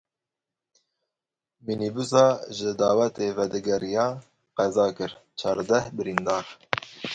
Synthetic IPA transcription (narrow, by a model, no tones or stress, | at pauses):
minibusɑːʒɨd̪ɑːwɛt̪eːvɛd̪ɛɡɛɾijɑː | qɛzɑːkɨɾt͡ʃʰɑːɾd̪ɛhbɨɾind̪ɑːɾ